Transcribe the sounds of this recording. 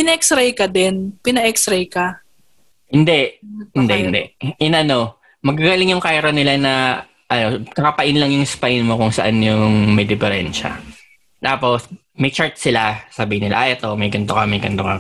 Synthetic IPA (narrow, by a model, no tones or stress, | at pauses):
pɪnɐʔɛksɾɛjkɐd̪ɛnpɪnɐɛksɾɛjkɐ | hɪnd̪ɛʔhɪnd̪ɛʔhɪnd̪ɛ̰ɪnɐno̞ | mɐɡaɡalɪŋjʊŋkajɾɐnɪlanɐ | ʔɐno̞kɐkɐpɐʔɪnlɐŋjʊŋɪspajnmokʊŋsɐʔanjʊŋmɛjd̪ɪfɛɾɛnʃɐ̰ | t̪aːpo̞s | mɐjt͡ʃaɹt̪̚sɪlasabiːhɪnɪla̰ʔajʔɛt̪o̞mɐjɡɐnt̪okɐmɐjɡɐnt̪okɐ̰